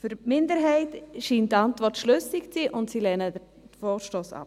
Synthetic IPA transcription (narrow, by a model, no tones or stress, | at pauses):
fyɾmɪndəɾɦɛɪtʃiːntdantvɔɾrtʃlʏsɪkt͡siːʔʊntsilɛnə | dəfɔːʃtoːsa̰p